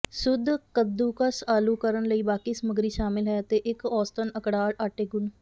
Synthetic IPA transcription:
sʊd̪kəd̪ːuːkəsaːluːkəɾənləiːbaːkiːsəməɡɾiːʃaːmɪlɦɛːət̪eːʔɪkɔːst̪ənəkɽaːɽaːʈeːɡʊn

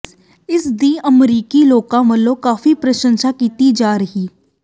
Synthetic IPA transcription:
ɪsd̪iɐmɾiːkiloːkãʋɐlõkaːfipɾɐʃə̃nʃakiːt̪id͡ʒaːɾɐɦiː

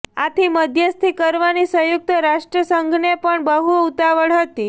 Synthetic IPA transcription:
at̪ʰiməd̪ʱjəst̪ʰikəɾʋanisəjuk̚t̪əɾaʂʈɾəsəŋɡʱnepəɳbəɦuut̪aʋəɭɦət̪i

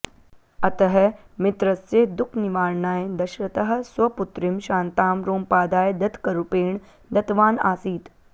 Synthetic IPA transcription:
ɐt̪ɐɦɐmɪt̪ɾɐsjed̪ʊkʰniʋaːɾɳaːjed̪ɐʃɾɐt̪ɐɦɐ̆sʋɐpʊt̪ɾɪmʃãːnt̪aːmɾoːmpaːd̪aːjd̪ɐt̪kɐɾupeːɳ | d̪ɐt̪ʋaːnaːsiːt̪

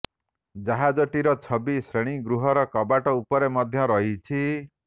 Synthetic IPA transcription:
d͡ʒaɦad͡ʒɔʈiɾɔt͡ʃʰɔbisɾeɽ̃iɡɾuɦɔɾɔkɔbaʈɔupɔɾemɔd̪ʱjɔɾɔɦit͡ʃʰi

